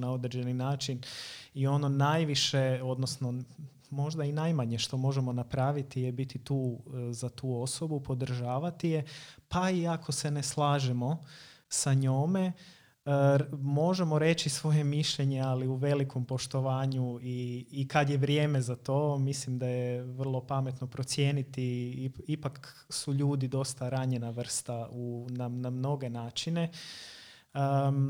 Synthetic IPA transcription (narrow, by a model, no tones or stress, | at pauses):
nao̞d̪ɾed͡ʒe̞ninaːt͡ʃinio̞nonajʋiʃe̞o̞d̪no̞sno̞ | mo̞ʒd̪ainajmaɲe̞ʃt̪o̞mo̞ʒe̞mo̞napɾaːʋit̪ijebit̪it̪uːzat̪uːo̞so̞bupo̞d̪r̩ʒaːʋat̪ije̞paiakʰo̞se̞neslˠaːʒemo̞saɲoːme̞ | mo̞ʒemo̞ɾe̞t͡ʃisʋo̞je̞miʃʎe̞ɲe̞aliuʋe̞liko̞mpo̞ʃt̪o̞ʋaːɲuiːkad̪jeʋɾje̞ːme̞zat̪o̞ːmislimd̪ajeʋr̩lˠo̞pame̞t̪no̞pɾo̞t̪sjeːnit̪iipak | suʎuːd̪id̪o̞st̪aɾaɲe̞naʋr̩st̪aunamnamno̞ɡe̞naːt͡ʃine̞